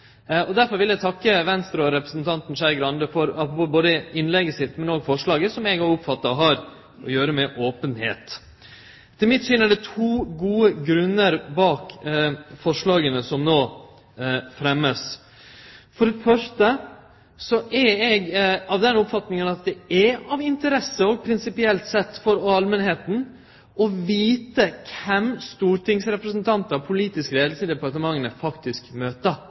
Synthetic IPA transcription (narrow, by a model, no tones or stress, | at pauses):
ɔd̪æɾfɔɾʋɪlæɡt̪ʰɑkːəʋɛnst̪ɾɑɔɾɛpɾəsnt̪ʰɑnt̪nʂæɾɡɾɑnd̪əfɔɾɑpɾʊpuboːd̪əɪnlɛɡəsɪt̪ːmɛnoːɡfɔʂɭɑːɡəsɔmɛɡɑʊpfɑt̪ːɑɦɑːɾ | ʔɔ̰jøːɾəmɛʔoːpənhḛːt̪ | t̪ʰɪlmɪt̪sʏnəɖɛt̪ʰuːɡuːəɡɾʉnːəɾbɑːk | fɔʂɭɑːɡənəsɔmnoː | fɾɛmːəs | fɔɾɛfœʂʈə | sɔʔɛɛɡɑʋd̪ɛnʊpfɑt̪nɪŋənɑt̪̚d̪ɛɛɑʋɪnt̪əɾɛsːəɔɡ̚pʰɾɪnsɪpɪɛlt̪sɛt̪ːfɔɾɔɑlmənheːt̪n̩ | ɔʋiːt̪əkʰɛmst̪uːɾʈɪŋsɾɛpɾəsnt̪ʰɑnt̪ɑpʰʊliːt̪ɪskɾeːd̪l̩səd̪ɛpɑʈ̪əmɑŋːənɛfɑkt̪ɪskmøːt̪ə